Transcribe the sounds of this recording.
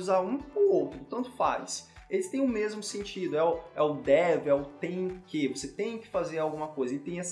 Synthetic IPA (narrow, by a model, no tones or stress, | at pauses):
zaũpʊowt̪ɾʊt̪ɐ̃nt̪ʊ̥fa̰lɪselɪst̪ẽj̃ʊmezmʊsẽnt͡ʃid̪ʊɛʊɛʊd̪ɛvɪɛʊt̪ẽj̃kevoset̪ẽj̃kɪ̥fazeɾawɡũmɐkojzɐelɪt̪ẽj̃ɛs